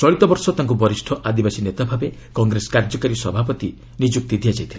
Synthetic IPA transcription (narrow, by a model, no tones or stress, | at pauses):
t͡ʃɔɭit̪ɔbɔɾsɔt̪aŋkubɔɾisʈʰɔʔad̪ibasinet̪abʱabe | kɔŋɡɾesɔ̥kaɾd͡ʒɔkaɾisɔbʱapɔt̪i | nid͡ʒuk̚t̪id̪ʱijad͡ʒajt̪ʰila